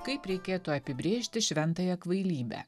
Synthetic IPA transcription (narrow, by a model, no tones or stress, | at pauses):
kɐɪpɾʲɛɪkʲeːt̪uɐpʲɪbʲɾʲeːʃʲt̪ʲɪʃʲʋʲɛnt̪ɐːjɛkʋɐɪlʲiːbʲæ̰ː